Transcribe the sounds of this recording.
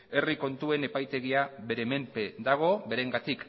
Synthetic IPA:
e̞riko̞nt̪ue̞ne̞pajt̪e̞ɣiaβe̞ɾe̞me̞mpe̞d̪aɣ̞o̞βe̞ɾe̞ŋɡat̪ik

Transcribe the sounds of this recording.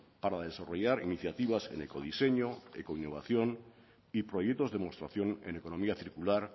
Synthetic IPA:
paɾaðe̞saro̞ʝaɾiniθjat̪iβ̞asḛne̞̰ko̞ðise̞ɲoḛkoinːo̞βaθjo̞n | ipɾo̞jek̚t̪o̞zðemo̞st̪ɾaθjo̞nḛneko̞no̞miaθiɾkulaɾ

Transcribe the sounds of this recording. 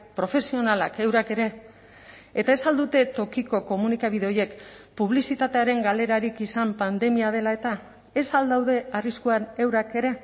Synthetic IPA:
pɾo̞fe̞sio̞nalake̞wɾake̞ɾe̞ | et̪ae̞sald̪ut̪e̞t̪o̞kiko̞ko̞munikaβ̞iðe̞o̞je̞k | puβ̞lisit̪at̪e̞aɾe̞ŋɡale̞ɾaɾikisampand̪e̞miað̞e̞lae̞t̪a | e̞sald̪awðe̞ariskuane̞wɾake̞ɾe̞

